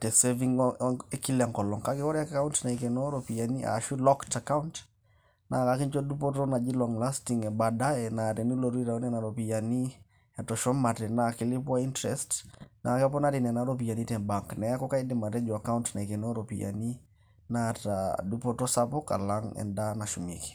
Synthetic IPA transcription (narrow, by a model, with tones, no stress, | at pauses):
tɛ˨sɛviŋɛki˦la˨ŋkɔ˨lɔ˨ŋka˦ki˦wɔ˦ɾɛaka˦wuntna˨i˨kɛ˨nɔ˦ɾɔpi˨ja˨ni˦ʔa̰ʃu˦lɔkta˨ka˦unt | na˨ka˦ki˦nd͡ʒɔ˦du˦pɔ˦tɔ˦na˨d͡ʒi˦lɔ˨ŋla˦stiŋɛ˨ba˨da˦ɛna˨tɛ˨nu˦lɔ˨ɾu˦i˦ɾa˨o˦nɛ˦˨na˨ɾo˨pi˨ja˨ni˦ | ɛ˨tɔ˨ʃɔ˦ma˨tɛ˨naki˨li˦pwa˦i˦ntɾɛstna˨kɛ˦p̬ɔ˦na˦ɾi˨nɛ˨na˨ɾop̬i˨ja˨ni˦tɛ˨baŋknɛ˨a˦kɔ˦ka˦i˦di˦ma˨tɛ˦ɲd͡ʒɔ˨a˨ka˦untna˨i˨kɛ˨nɔ˦ɾopija̰ni˦ | na˦tadu˦po˦tɔ˦sa˦pɔ˦ka̰˨la˦ŋɛ̰nda˦na˨ʃu˨mḭ˨ki̥˨